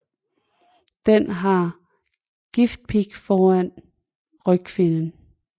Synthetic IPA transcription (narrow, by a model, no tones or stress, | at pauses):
d̥enɦɑ̈ | ɡ̥ifd̥̚pʰiɡ̥fɒːæn̰ | ʁœ̥kʰʋe̝nən